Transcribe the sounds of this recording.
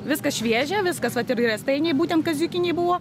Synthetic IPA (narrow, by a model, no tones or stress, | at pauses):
ʋʲɪskɐsʃʲʋʲiɛʒʲɛʋʲɪskɐsʋɐt̪ɪɾɪɾɛst̪ɐɪnʲɛɪbuːt̪ʲɛnt̪kɐzʲykʲɪnʲeɪbʊʋoː